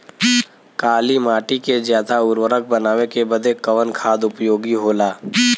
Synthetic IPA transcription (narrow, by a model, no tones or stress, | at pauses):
kaːlimaːʈikezjaːd̪aʊɾwəɾək̚ʰbənaːwekebəd̪ʱekəʋənkʰaːd̪ʊpjoːɡiɦoːlaː